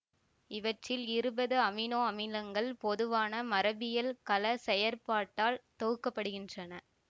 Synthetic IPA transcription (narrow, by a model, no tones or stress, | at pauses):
ɪʋɐʈrɪlɪɾɯbɐðɯɐmɪnoːɐmɪlɐŋɡɐɭpɔðɯʋaːnɐmɐɾɐbɪjɐlkɐlɐsɛjɐɾpaːʈːaːlt̪oːɯkːɐpːɐɽɯɣɪndrɐnɐ